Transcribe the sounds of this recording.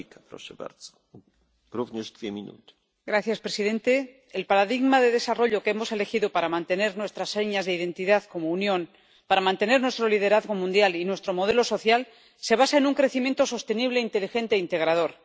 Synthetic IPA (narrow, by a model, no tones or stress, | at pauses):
kapɾɔ̰ʃɛba̰ɾd̪z̥ɔ̥ | ɾuvɲɛʐd̪vʲjɛmʲinṵt̪ɪ̥ | ɡɾaθjaspɾe̞siðe̞nt̪e̞ː | lpaɾaðiɣmaðe̞ðe̞saro̞ʎo̞keemo̞se̞le̞xiðopaɾamãnt̪e̞ne̞ɾnwe̞st̪ɾasːe̞ɲazðeiðe̞nt̪iðaðko̞mounjõ̞n | paɾamãnt̪e̞ne̞ɾnwe̞st̪ɾo̞liðe̞ɾaðɣo̞mũnd̪jalinwest̪ɾo̞mo̞ð̞elo̞so̞θjal | se̞β̞asaenuŋkɾe̞θimjent̪o̞so̞st̪e̞niβ̞le̞int̪e̞lixẽ̞nt̪eint̪e̞ɣ̞ɾað̞o̞ɾ